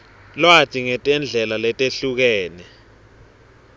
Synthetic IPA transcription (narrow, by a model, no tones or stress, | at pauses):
lwatʰʼiŋɛtʼɛnd͡ɮʱɛlalɛtʼeɬuk̬ɛːnɛ